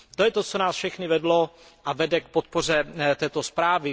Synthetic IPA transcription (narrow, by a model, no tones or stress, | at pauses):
t̪ojɛt̪o̞t͡sonaːsfʃɛxnɪvɛdlo̞ | ʔavɛdɛk̚pot̪̚po̞r̝ɛt̪ɛːt̪ospɾaːvɪ